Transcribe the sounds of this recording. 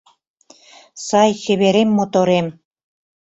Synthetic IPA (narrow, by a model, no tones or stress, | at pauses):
sɑjʃə̆βeɾemːot̪oɾem